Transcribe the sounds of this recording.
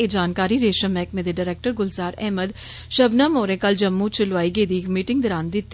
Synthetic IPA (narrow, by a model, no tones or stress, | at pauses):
ed͡ʒaːnkaːɾiɾeːʃə̃mɛ̃ːk̚mẽd̪eɖaːɾɛːk̚ʈəɾɡʊlzaːɾɛ̰ːməd̪ | ʃɐbnamoːɾẽkɐld͡ʒɐmːũt͡ʃɪlʋaːiɡeːd̪iːkmiːʈɪ̃ŋɡd̪ɐɾaːnd̪ɪt̪ː